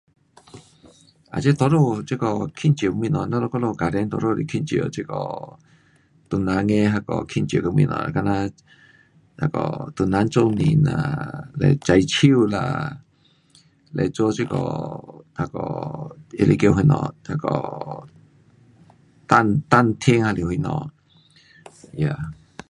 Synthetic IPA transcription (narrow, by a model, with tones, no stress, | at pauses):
a̰˨t͡ʃe˦t̪o˧˦ɾo˦˧˨t͡ʃe˦kɔ˧˨kʰĩ˦˧nt͡ʃmĩ˧˨nɔ̃˨nã˦lo˧ko˦lo˧ka˨ɾe˧˦nt̪o˧ɾo˦˧ɾḭ˧kʰi˦˧˨t͡ʃi˧˨o̰˨t͡ʃe˦˧˦kɔ̰˨ | t̪u˨nã˨˧ŋẽ˧˦˧ɦa˧kɔ˨kʰi˧nt͡ʃo˨ko˧mḭ̃˧˨nɔ̰̃˧˨a˧ka˧nã˧ | a˧˨kɔ̰˨t̪u˨nã˧˦nt͡ʃo˦nĩ˧˨nã̰˧lɛ̰˧˨t͡ʃa˧jt͡ʃʰi˦wla̰˧ | lʔɛ̰˧˨t͡so˦t͡ʃi˧kɔ̰˨ha˧kɔ̰˨e˧lʔi˧˨ke˧˨ɦi˧˨nɔ̰̃˧˨ha˧kɔ̰˧˨ | t̪a˧nt̪a˧˨nt̪ʰe˦ŋha˧li˧˨hu˧˨nɔ̰̃˧˨ | ja˧˨